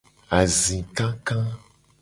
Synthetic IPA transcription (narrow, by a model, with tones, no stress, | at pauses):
a˨zĩ˨kã˦kã˦